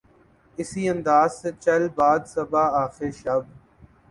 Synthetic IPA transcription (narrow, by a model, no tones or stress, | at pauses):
ɪsiːɐ̃nd̪aːzset͡ʃɐlbaːd̪sɐbaːaːxɪɾʃɐb